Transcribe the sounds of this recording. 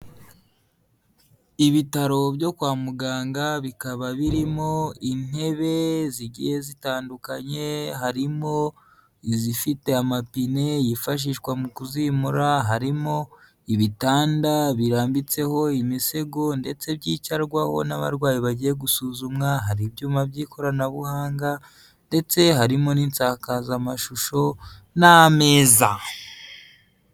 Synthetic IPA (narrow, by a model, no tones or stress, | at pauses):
iβitaɾo̞bjo̞kwaːmuɡaːŋɡaβikaβaβiɾimo̞in̥e̞βe̞ziɟijezitaːndukaɲe̞ɦaɾimo̞ | izifite̞amapine̞jifaʃ̬iːʃkwamukuzimuɾaɦaɾimo̞ | iβitaːndaβiɾaːmbit͡se̞ho̞imise̞ɡo̞nde̞t͡se̞bɟiːcaɾɡwaho̞̰naβa̰ɾɡwaːjiβaɟije̞ɡusuzumŋaɦaɾibjuːmabɟiːkʰo̞ɾanaβuhaːŋɡa | nde̞t͡se̞ɦaɾimo̞niːnt͡sakazamaʃuʃo̞ | name̞ːza